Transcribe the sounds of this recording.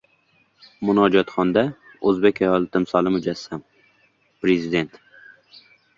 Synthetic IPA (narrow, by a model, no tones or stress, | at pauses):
mʊnɒd͡ʒɒt̪χɒnd̪a | ɵzbe̞kʲajɒlˠt̪ʰɪmsɒlˠɪmʊd͡ʒasːam | pɾezɪd̪e̞nt̪